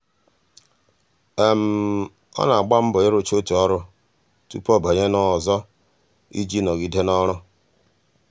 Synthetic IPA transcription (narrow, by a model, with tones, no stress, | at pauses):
e˨m̩˨˦ | ɔ̰˦na˨a˨ɡ͡ba˦m̩˦bʊ˨e˦ɾo˦t͡ʃo˦tu˨ɔ˦ɾʊ˦ | tṵ˦pɔ˦bɔ˨ɲe˦nɔ˨zɔ˦ | ḭ˦d͡ʒi˦nɔ˨ɡi˨de˦nɔ˦ɾʊ˦